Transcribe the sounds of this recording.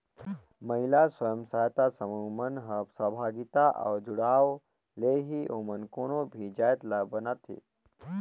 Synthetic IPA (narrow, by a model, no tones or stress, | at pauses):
məɦilaswəjəmsajt̪asəmumənɦəsəbʱaɡit̪aʔa̰wd͡ʒuɽaw | leɦiʔomənkoɽ̃obʱid͡ʒajt̪labənat̪ḛ